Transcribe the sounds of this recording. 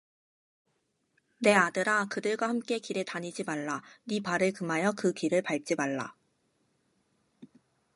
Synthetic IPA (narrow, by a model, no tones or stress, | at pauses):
ne̞adɯɾakɯdɯɭɡwahamk͈e̞kiɾɯtaɲid͡ʑimaɭːanipaɾɯɭkɯmɦajʌkɯkiɾɯɭpaɭt͡ɕ͈imaɭːa̰